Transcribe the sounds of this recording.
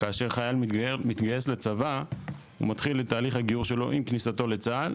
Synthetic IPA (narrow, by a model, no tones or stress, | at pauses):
kaːʃe̞ʁχajalmit̪ɡajeslet͡sava | ṵmat̪χilːet̪aːliχhaɡiuʁʃe̞lo̞ʔimknisat̪o̞le̞t͡saːl